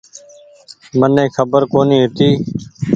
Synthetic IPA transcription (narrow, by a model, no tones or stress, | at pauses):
mənẽːkʰəbəɾkoːniːɦɪt̪iː